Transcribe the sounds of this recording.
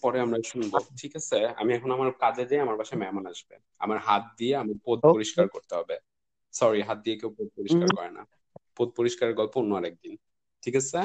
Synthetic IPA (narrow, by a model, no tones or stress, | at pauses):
pɔɾeamɾajʃunboʈʰikasʰea̰miɛkʰonamaɾkaded̪ejamaɾbaʃamɛɦmanaʃbḛ | a̰maɾɦat̪̚d̪ieamaɾpod̪̚poɾiʃkaɾkoɾt̪eɦɔbe | sɔɾiɦat̪̚d̪iekewpod̪̚poɾiʃkaɾkɔɾena̰ | pod̪̚poɾiʃkaɾeɡɔlpoonːoaɾɛk̚d̪in | ʈʰikasʰe